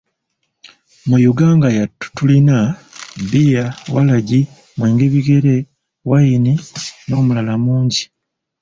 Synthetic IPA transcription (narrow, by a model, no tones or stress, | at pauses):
mujuɡaːŋɡajatːu̥tulinabijawalaɟi | mweːŋɡeβiɡe̞ɾe̞ | wajinino̞ːmulalamuːɲɟi